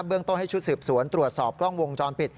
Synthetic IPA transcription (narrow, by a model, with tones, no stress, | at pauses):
bɯ˧˥əŋt̪o˥˩nha˥˩jt͡ɕʰu˦˥t̪̚sɯː˨˩p̚su˩˦nt̪ɾu˨˩ət̪̚sɔː˨˩p̚klɔ˥˩ŋwo˧ŋt͡ɕɔː˧npi˨˩t̪̚